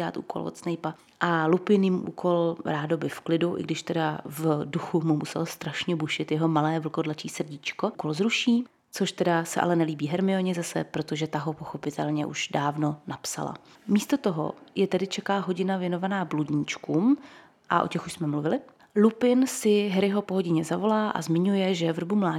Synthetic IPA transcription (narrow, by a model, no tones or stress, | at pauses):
a̰ːt̪ʔṵːko̰lvo̰t̪snejpa | ʔalupɪnjɪmʔṵːkʰo̞lɾaːdo̞bɪfklɪduʔɪ̰ɡdɪʃt̪ɛdavduxumumusɛ̰lost̪ɾaʃɲɛbuʃɪt̪jɛɦo̞malɛːvl̩ko̞dlat͡ʃiːsr̩ɟit͡ʃko̞ko̞lzɾuʃiː | t͡so̞ʃt̪ɛdasɛ̰ʔa̰lɛnɛliːbiːɦɛɾmɪoɲɪzasɛ̰pɾo̞t̪oʒɛt̪aɦo̞po̞xo̞pɪt̪ʰɛlɲɛ̰ʔṵʃdaːvno̞napsa̰la̰miːst̪o̞t̪o̞ɦo̞̰jɛt̪ɛdɪt͡ʃɛkaːɦo̞ɟɪnavjɛno̞vanaːbluɟɲit͡ʃkuːm | ʔa̰ʔo̞̰cɛxuʃsmɛmluvɪlɪ | lupɪnsɪɦɛɾɪɦo̞poɦoɟɪɲɛzavo̞laːʔa̰zmɪɲujɛʒɛvr̩bumlaː